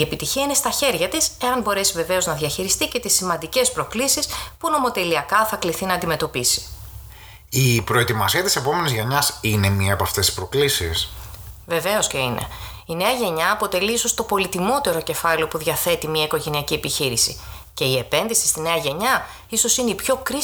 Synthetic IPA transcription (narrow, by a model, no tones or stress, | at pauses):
ie̞pit̪içiɐine̞st̪ɐçe̞ɾʝɐt̪ise̞ɐnbo̞ɾe̞sive̞ve̞o̞znɐðʝɐçiɾist̪ice̞t̪isimɐnd̪ice̞spɾo̞klisispuno̞mo̞t̪e̞liɐkɐθɐkliθinɐnd̪ime̞t̪o̞pisi̥ | ipɾo̞e̞t̪imɐsiɐt̪ise̞po̞me̞nizʝeɲɐsine̞miɐepɐft̪est̪i̥spɾo̞klisḭsve̞ve̞o̞sce̞inʔe̞̰ | ine̞ɐʝe̞ɲɐːpo̞t̪e̞liiso̞st̪o̞po̞lit̪imo̞t̪e̞ɾo̞ce̞fɐleo̞puðʝɐθe̞t̪imiɐiko̞ʝe̞niɐciepiçiɾisḭ | ce̞ie̞pe̞nðisi̥st̪ine̞ɐʝe̞ɲɐ | iso̞sineipço̞kɾi